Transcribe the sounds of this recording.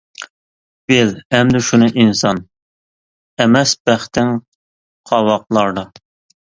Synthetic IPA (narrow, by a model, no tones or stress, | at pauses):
b̥elɛmd̪ɪʃunɨʔinsɑn | ɛmɛsbæχt̪ɪŋ | qʰɑwɑqlˠɑɾd̪ɑ